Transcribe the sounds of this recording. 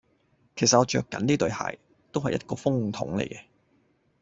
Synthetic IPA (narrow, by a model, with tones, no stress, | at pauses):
kʰe˨˩jsɐ˨t̚ɔː˨˧t͡ʃœː˧kːɐ̰˨˥nt̪iː˥t̪ɵ˨˧ɥha̰ː˨˩j | t̪o˥whɐ˨jʔɐ̰˥t̚kɔː˧fʊ˥ŋt̪ʰʊ̰˨˥ŋlḛ˨˩jkɛ˧